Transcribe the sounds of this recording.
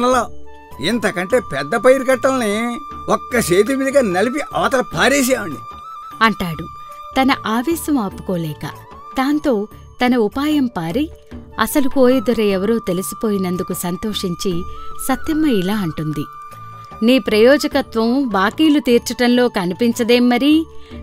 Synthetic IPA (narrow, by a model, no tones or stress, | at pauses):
nɐlaː | int̪ɐkɐɳʈe̞ːpɛd̪ːɐpɐjɾkɐʈːɐlɐni | ɔkːɐʃeːt̪̬iʋid̪ʱɐɡanɐlip̬iʔɐʋɐt̪ɐɾɐpaːɾeːʃ̬aːʋɐɳɖiɐɳʈaːɽut̪ɐnɐʔaːʋɛːsɐmaːpːu̥koːlɛːkɐ̰ | d̪aːnt̪o̞ː | t̪ɐnɐupaːjɐmpaːɾi | ɐsɐlukoːjɐd̪uɾɐɛʋɐɾuːt̪e̞lusu̥po̞ːjinɐnd̪ukusɐnt̪o̞ːʂiɲt͡ʃisɐt̪jɐmɐilaːɐɳʈund̪i | niːpɾɐjɔːd͡ʒɐkɐt̪ʋɐmʋaːkiːlut̪iːɾt͡ʃɐʈɐnlo̞ːkɐnipiɲt͡ʃɐd̪eːmːɐɾi